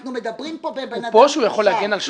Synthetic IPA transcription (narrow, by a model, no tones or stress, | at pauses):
nomed̪apibbpoʃujaχo̞lːehaɡjenalʃ